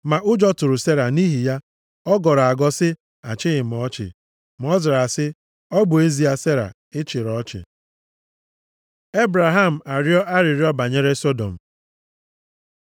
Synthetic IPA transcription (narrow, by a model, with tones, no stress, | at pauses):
ma˨ʔʊ˦d͡ʒɔ˦tʊ˨ɾʊ˨se˦ɾa˨ni˦ɦi˨ja˦ | ɔ˦ɡɔ˨ɾɔ˨a˨ɡɔ˦sɪ˦ | a̰˨t͡ʃɪ˦ɣɪ˨m˨ɔ˦t͡ʃɪ̰˨ | m˦ɔ˦za˨ɾa˨sɪ˦ | ɔ˦bʊ˨e˦zi˨a˦se˦ɾa̰˨ | ɪ˦t͡ʃɪ˨ɾɔ˦t͡ʃɪ̰˨ | e˦bɾa˨ɦa˦m̩˨a˨ɾjɔ˦ʔa˦ɾɪ˨ɾjɔ˦ba˨ɲe˦ɾe˦sɔ˦do̰˨m̩˨